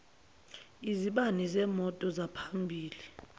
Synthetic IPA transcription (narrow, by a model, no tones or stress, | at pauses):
iziɓanizɛːmɔtʼɔzapʰambʱiːli